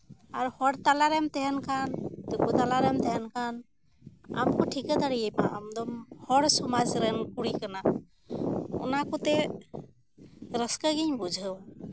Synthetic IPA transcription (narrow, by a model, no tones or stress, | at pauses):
aɾhɔɽt̪alaɾɛmt̪ɛɦɛnkʰand̪ukut̪alaɾɛmt̪ɛɦɛnkʰan | a̰mkɔʈʰikəd̪aɽijɛjpaʔa̰md̪ɔmhɔɽsɔmad͡ʒɾɛnkuɽikana | ṵnakut̪ɛ | ɾəskaɡiɲbud͡ʒʱəw